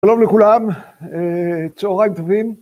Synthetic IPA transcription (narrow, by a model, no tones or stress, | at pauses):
ʃalo̞mlekulamet͡sooʁajmt̪avin